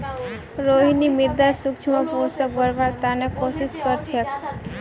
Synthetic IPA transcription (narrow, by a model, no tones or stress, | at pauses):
ɾoɦinimɪɾd̪asʊkt͡ʃʰmãposək̚bəɾbaɾt̪anekosiskəɾt͡ʃʰe